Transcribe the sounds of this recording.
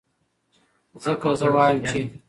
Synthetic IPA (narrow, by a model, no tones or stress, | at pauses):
zəkazəwɑjəmt͡ʃe